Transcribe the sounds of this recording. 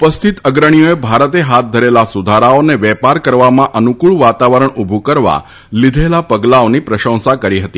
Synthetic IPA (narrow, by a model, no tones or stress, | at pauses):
upəst̪ʰit̪əɡɾəɽ̃ijoebʱaɾət̪eɦat̪̚d̪ʱəɾelasud̪ʱaɾaoneʋɛpaɾkəɾʋamãʔənukuɭʋat̪aʋəɾəɳubʱukəɾʋa̰ | lid̪ʱelapəɡlaonipɾəʃə̃w̃sakəɾiɦət̪i